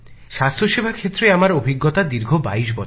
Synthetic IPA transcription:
ʃast̪ʰɾoʃebʱakʰet̪ːɾeamaɾobʱiɡːot̪ad̪iɾɡʱobaiʃ̬bɔ

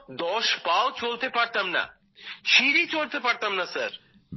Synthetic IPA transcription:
d̪ɔʃbaot͡ɕolt̪epaɾt̪amna̰ | ʃiɾit͡ɕolt̪epaɾt̪amnasaɾ

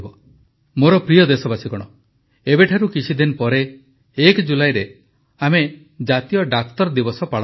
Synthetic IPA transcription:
bɔ | moɾɔpɾijɔd̪esɔbasikɔɽ̃ɔ | ebeʈʰaɾukit͡ʃʰid̪inpɔɾeː | kd͡ʒulajɾe | ame | d͡ʒat̪ijɔɖak̚t̪ɔɾd̪ibɔsɔpa

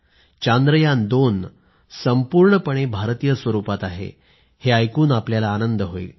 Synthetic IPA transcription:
t͡ɕand̪ɾəjand̪on | səmpuːɾɳəpəɳ̃ebʱaɾt̪ijəsʋəɾupat̪aɦḛ | heajkuːnapljalaːnənd̪əɦoḭl

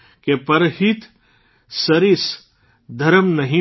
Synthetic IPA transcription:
kepɐɾhit̪ | sɐɾɪs | d̪ʱɐɾəmnɐɦĩ

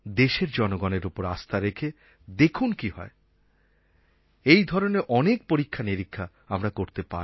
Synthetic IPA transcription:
d̪eʃeɾd͡ʑɔnoɡɔneɾupoɾast̪ʰaɾekʰe | d̪ekʰunkiɦɔ̰e | ejd̪ʱɔɾoneɾʔɔnek̚poɾikʰːaniɾikʰːa | amɾakoɾt̪epa̰

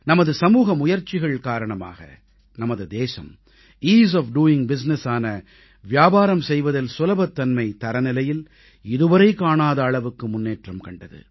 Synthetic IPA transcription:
nɐmɐðɯsɐmuːɣɐmʊjɐɾt͡ʃːɪɣɐɭkaːɾɐɳɐma̰ːɣɐ̰ | nɐmɐðɯd̪eːsɐ̰m | iːz̬ɐːfɖuːɪŋbɪs̬nɛsaːnɐ | ʋjaːbaːɾɐmsɛjʋɐðɐlsʊlɐbɐt̪ːɐnmɐɪt̪ɐɾɐnɪlɐjɪl | ɪðɯʋɐɾɐɪkːaːɳaːðɐːɭɐʋɯkːɯmʊnːeːʈrɐmkɐɳɖɐðɯ̰

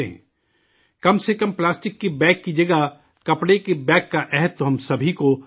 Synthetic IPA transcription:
eɦɛ̰̃ː | kɐmsekɐmplaːsʈɪkːebɛ̃ːkːid͡ʒɐɡa | kɐpɽekebɛ̃ːkːaʔɛɦət̪ːoɦɐmsɐbʱiko

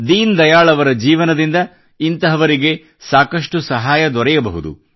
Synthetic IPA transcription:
d̪iːnd̪ɐjaːɭɐʋɐɾɐd͡ʒiːʋɐnɐd̪ind̪ɐ | int̪ɐɦɐʋɐɾiɡe̞ | saːkɐʂʈusɐɦaːjɐd̪ɔɾɛjɐbɐɦud̪ṵ

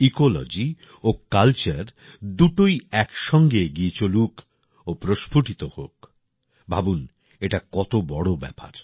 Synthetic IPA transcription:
ikolo̰d͡ʑi | okalt͡ɕaɾ | d̪uʈojɛkʃɔŋɡeɡiet͡ɕoluk | opɾoʃpʰuʈit̪ohok | bʱabun | eʈakɔt̪obɔɽobɛ̰pa̰ɾ

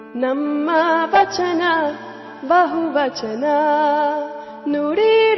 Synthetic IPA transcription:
nɐmːɐʋɐt͡ʃɐnɐ | bɐɦuʋɐt͡ʃɐnɐ | nuɽiɾ

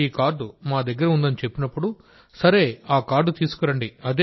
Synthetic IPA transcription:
iːkaːɾɖumaːd̪ɐɡːɐɾɐund̪ɐnit͡ʃe̞pːinɐpːuɽu | sɐɾe̞ːaːkaːɾɖut̪iːsu̥kɐɾɐɳɖiɐd̪e

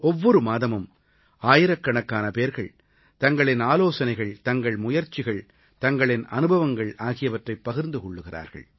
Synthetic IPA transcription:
ɔʋːɔɾɯmaːðɐmɯm | aːjɪɾɐkːɐɳɐkːaːnɐpeːɾɣɐɭ | t̪ɐŋɡɐɭɪnaːloːsɐnɐɪɣɐɭt̪ɐŋɡɐɭmʊjɐɾt͡ʃːɪɣɐɭ | t̪ɐŋɡɐɭɪnɐ̰nɯbɐʋɐŋɡɐɭaːɣɪjɐʋɐʈrɐɪpːɐɣɪɾnd̪ɯkɔɭːɯɣɪra̰ːɾɣɐ̰ɭ

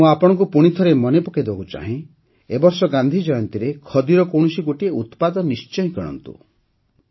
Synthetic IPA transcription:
mũapɔɽ̃ɔ̃ŋkupuɽ̃it̪ʰɔɾemɔnepuked̪ewa̰kut͡ʃa̰ɦẽ | ebɔɾsɔɡand̪ʱid͡ʒɔjɔnt̪iɾekʰɔd̪iɾɔkowɽ̃siɡoʈieut̪pad̪ɔnist͡ʃɔj̃kiɽ̃ɔ̰nt̪ṵ

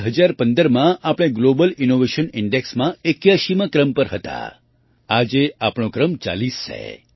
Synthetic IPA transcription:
ɦəd͡ʒaɾpənd̪əɾmãʔapɽ̃eɡlobəlinoʋeʃənɪɳɖeksmãekjaʃimãkɾəmpəɾɦət̪a̰ | ad͡ʒeapɽ̃õkɾəmt͡ʃa̰list͡ʃʰḛ

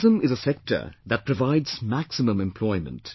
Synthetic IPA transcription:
zə̃mɪzəsɛk̚tʰə̰˞ðæt̚pʰɹ̥əvaɪdz̥mæksɪmə̃mɛ̃mpʰl̥ɔɪmə̰̃nt

